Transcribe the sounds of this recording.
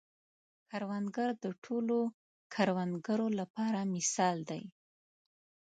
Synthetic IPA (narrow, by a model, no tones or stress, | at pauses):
kaɾwanɡəɾd̪əʈʰolo | kʰaɾwand̪ɡəɾolapɑɾamɪsɑld̪a̰j